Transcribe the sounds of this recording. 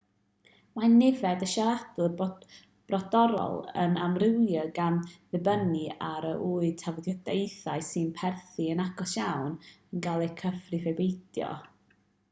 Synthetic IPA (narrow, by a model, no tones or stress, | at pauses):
manɛvɛdəʃaɾadʊr | b̥rɔdɔɾɔ̰lˠə̰namrɪwjəɡamðɪbəniaɾəʔuːɨtʰavɔdjɔdejθaɨsɨnpʰɛrθiənaɡɔsjawnənɡalˠɛjkʰəfrɨvebejdjɔ̰